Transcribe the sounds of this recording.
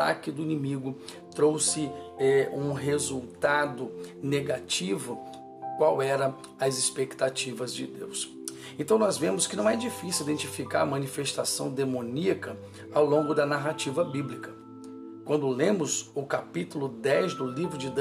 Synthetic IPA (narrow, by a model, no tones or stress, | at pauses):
a̰kɪd̪ʊinimiɡʊ | t̪ɾowsɪɛũɦezuwt̪ad̪ʊneɡat͡ʃivʊ | kwawɛɾɐ | ɐzɪspekt̪at͡ʃivɐzd͡ʒɪd̪ews | ẽnt̪ɐ̃w̃nɔzvẽmʊskɪnɐ̃w̃ɛd͡ʒifisjuwid̪ẽnt͡ʃifikaɾɐmɐ̃nifest̪asɐ̃w̃d̪emõniɐkɐ | awlõŋɡʊd̪ɐnaɦat͡ʃivɐbiblikɐ | kwɐ̃nd̪ʊlẽmʊzʊkapit̪ʊlʊd̪ɛzd̪ʊlivɾʊd͡ʒɪd̪